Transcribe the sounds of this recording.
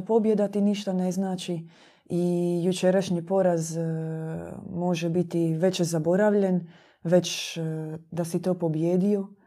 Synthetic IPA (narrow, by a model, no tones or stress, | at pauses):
po̞bje̞d̪at̪iniʃt̪aneznaːt͡ʃi | ijut͡ʃeɾaʃɲipo̞ɾaz | mo̞ʒebit̪iʋe̞t͡ʃezabo̞ɾaʋʎe̞n | ʋe̞t͡ɕ | d̪asit̪oːpo̞bjeːd̪io̞